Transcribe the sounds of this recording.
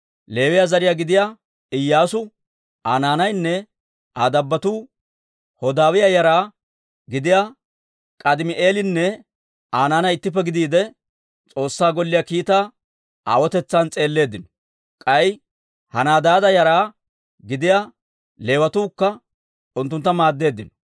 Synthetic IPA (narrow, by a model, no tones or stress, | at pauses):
le̞ːwɪjazɐɾɪjaːɡɪd̪ɪja | ɪjːaːsʊ | ʔaːnaːnɐjnːɛ | aːd̪ɐbːɐt̪uː | hɔd̪aːwɪjajɐɾaː | ɡɪd̪ɪja | kʼɐd̪ɪmɪʔeːlɪnːɛ | aːnaːnɐjɪt̪ːɪp̬ːɛɡɪd̪iːd̪ɛ | t͡sʼo̞ːsːaːɡɔlːɪjaːkiːt̪aː | ʔa̰ːwɔt̪ɛt͡sːaːnt͡sʼe̞ːlːe̞ːd̪ːɪnɔ | kʼɐj | hɐnaːd̪aːd̪ɐjɐɾaː | ɡɪd̪ɪja | le̞ːwɐt̪uːkːɐ | ʊnt̪ːʊnt̪ːɐmaːd̪ːe̞ːd̪ːɪnɔ